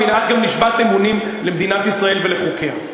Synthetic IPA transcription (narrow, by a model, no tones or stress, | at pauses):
inat̪̚ɡamliʃbat̪emunim | lemd̪inat̪isʁae̞lveleχokʰea